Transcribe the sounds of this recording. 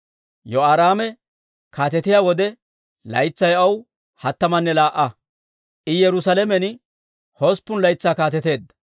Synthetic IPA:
jɔaːɾaːmɛ | kaːt̪ɛt̪ɪjaːwɔd̪ɛ | lɐ̰jt͡sːɐjɐw | hɐt̪ːɐmɐnːɛlaːʔːɐ | ʔɪjɛɾʊsɐlɛmɛn | hɔspːʊnlɐjt͡sːaːkaːt̪ɛt̪e̞ːd̪ːɐ̥

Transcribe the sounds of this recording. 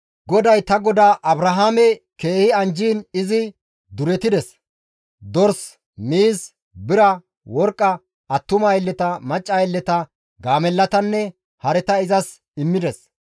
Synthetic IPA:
ɡɔd̪ɐjt̪ɐɡɔd̪aːʔɐbɾɐɦaːmɛke̞ːhɪɐnd͡ʒiːnɪzɪ | d̪ʊɾɛt̪ɪd̪ɛs | d̪ɔɾs | miːs | bɪɾɐ | wɔɾkʼːɐ | ɐt̪ːʊmajɛlːɛt̪ɐmɐt͡ʃʼːɐjɛlːɛt̪ɐ | ɡaːmɛlːɐt̪ɐnːɛ | hɐɾɛt̪ɐɪzɐs | ɪmːɪd̪ɛs

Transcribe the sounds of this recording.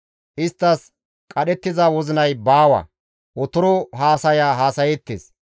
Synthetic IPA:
ʔɪst̪ːɐs | kʼɐɗɛt̪ːɪzɐwɔzɪnɐjbaːwɐ̰ | wɔt̪ʊɾɔɦaːsɐjaːɦaːsɐjɛt̪ːḛːs

